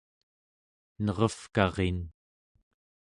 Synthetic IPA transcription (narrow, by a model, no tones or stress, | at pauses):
nʌʁʌfkɑʁen